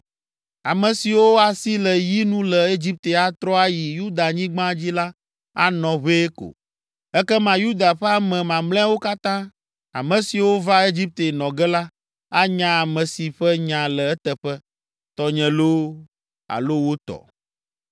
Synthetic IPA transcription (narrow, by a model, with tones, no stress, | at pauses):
a˨mɛ̃˨si˨wo˦a˨si˦lɛ˨ji˦nũ˦lɛ˨e˦d͡ʑi˦p̚t̪e˨a˦t̪ɾɔ˦a˦ji˨ju˦d̪a˨ɲĩ˦ɡ͡bã˦d͡ʑi˦la˦ | a̰˦nɔ̃˨βe˦ko̰˨ | ɛ˦kɛ˦mã˨ju˦d̪a˨ɸɛ˦a˦mɛ̃˨mã˨mlɛ̃˦wo˦ka˦t̪ã˦ | a̰˨mɛ̃˨si˨wo˦va˦e˦d͡ʑi˦p̚t̪e˨nɔ̃˨ɡɛ˦la˦ | a˦ɲã˦a˨mɛ̃˨si˨ɸɛ˦ɲã˨lɛ˨ɛ˦t̪ɛ˨ɸɛ˦ | t̪ɔ˨ɲɛ̃˨lo˦ | a̰˨lo˦wo˦t̪ɔ̰˨